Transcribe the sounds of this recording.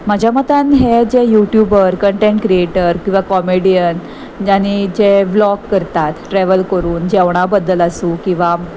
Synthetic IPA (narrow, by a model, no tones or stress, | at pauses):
məd͡ʑʱjamət̪anɦed͡ʑejuʈjubəɾkəɳʈẽɳʈkɾieʈəɾkĩʋakɔmeɽijən | aɽ̃id͡ʑeblɔkːəɾt̪at̪ʈɾɛʋəlkəɾuːnd͡ʑɛʋɳ̃abəd̪ːəlasũkĩw̃ʋa